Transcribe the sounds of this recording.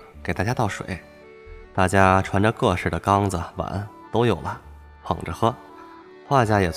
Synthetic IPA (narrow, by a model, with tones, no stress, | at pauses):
ke˨˩ɪt̪a˥˩t͡ɕja˥t̪ɑ˥˩ʊʂwḛ˨˩˦ɪ | t̪a˥˩t͡ɕja˥ʈ͡ʂʰwa˧˥nʈ͡ʂə˧kɤ˥˧ʂɻ̩˥˩d̪ə˩kɑ˥ŋd͡zə˩wa̰˧˥n | t̪o˥ʊjo˨˩ʊlə˦ | pʰɑ̰˨˩ŋʈ͡ʂə˧xɤ˥ | xwa˥˩t͡ɕja˥˩jɛ˨˩t͡s